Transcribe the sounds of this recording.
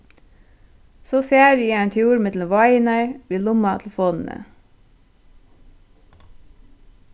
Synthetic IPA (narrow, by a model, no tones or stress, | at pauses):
soːfjæːɾiːeːnt̪ʰjuːɾmɛt̪l̩əʋɑɪnɑɪʋiːlʊmɑt̪ʰl̩foːnn̩ə̰